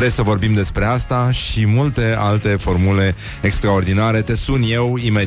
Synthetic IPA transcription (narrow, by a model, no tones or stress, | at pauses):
ɾesəvo̞rbimd̪e̞spɾe̞ast̪aʃimult̪e̞alt̪e̞fo̞rmule̞ | ekst̪ɾao̞rd̪inaɾe̞t̪e̞sunje̞wime